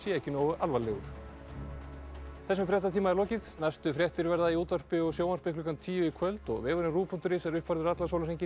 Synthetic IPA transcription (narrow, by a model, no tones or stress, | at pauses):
siɛcɪnɔɣʏʔalvalɛːɣʏɾ̥ | θɛs̬ʏmfɾjɛht̪at̪ʰiːmaɛɾlɔːcɪðnajst̪ʏfɾjɛht̪ʏɾvɛɾðaiuːt̪var̥pɪɔɣsjoːwmar̥pɪhklʏkant̪ʰiːjʏikʰvœlt̪ɔ̰ɣvɛːɣʏɾɪnruːpʰɔnt̪ʏɾɪsɛɾʏhpvaɾðʏɾat̪lasawlaɾejɲcɪ